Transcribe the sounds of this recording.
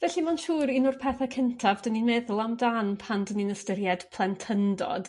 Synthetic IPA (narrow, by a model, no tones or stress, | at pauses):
vɛɬimanʃuːɾinʊrpʰɛθakʰəntʰavdəninmɛðʊlˠamdanpʰandəninəstəɾjɛd̥pʰlˠɛntʰəndɔ̰d̥